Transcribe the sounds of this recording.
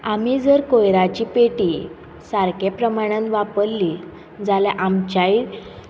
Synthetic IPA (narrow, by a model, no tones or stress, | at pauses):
amid͡zəɾkojɾat͡ɕipeʈi | saɾkepɾəmaɽ̃ə̃nʋapəɾli | d͡zaljaʔamt͡ɕai